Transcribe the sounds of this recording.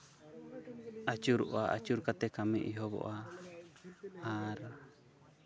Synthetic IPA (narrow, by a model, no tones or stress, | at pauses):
at͡ʃuɾuʔaʔa̰t͡ʃuɾkat̪ɛkamiʔiɦɔbɔ̰ʔa | aɾa